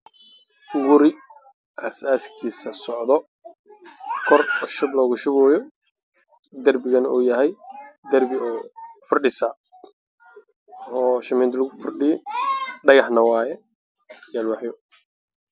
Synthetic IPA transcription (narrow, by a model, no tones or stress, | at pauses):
wʊɾɪ | ʔɐsaːskʰiːsɐsɔʕd̪ɔ | kʰɔrɔʃɐblɔːɣʊʃʊβɔːjɔ | d̪ɐrbɪɣɐnuːjɐɦɛjd̪ɐrbɪɔːfɐrɖɪsa | ɔːʃɐmɛːnt̪ʰlʊɣʊfɐrɖɪjɔɖɐɣɑħnɐwɑːjɛ | jalwɑħjɔ